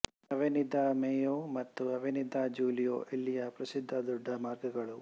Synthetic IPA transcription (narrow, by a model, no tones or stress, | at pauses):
ɐʋinid̪ʱaːmeːjoːmɐt̪ːuɐʋinid̪ʱaːd͡ʒuːlijo̰ːʔilːijɐpɾɐsid̪ʱːɐd̪uɖʱːɐmaːɾɡɐɡɐɭu